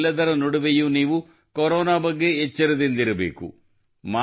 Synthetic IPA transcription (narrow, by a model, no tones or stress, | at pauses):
lːɐd̪ɐɾɐnɔɽuʋejuniːʋu | kɔɾɔːnaːbɐɡːe̞ːt͡ʃːɐɾɐd̪ind̪iɾɐbḛːkṵ | maː